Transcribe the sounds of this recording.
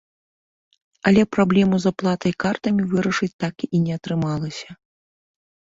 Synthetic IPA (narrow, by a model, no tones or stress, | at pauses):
ɐlʲɛpɾablʲɛmuzaplˠat̪ɐjkart̪ɐmʲivɨɾɐʂɨt͡sʲt̪akiinʲɛɐt̪ɾɨmalˠɐsʲɐ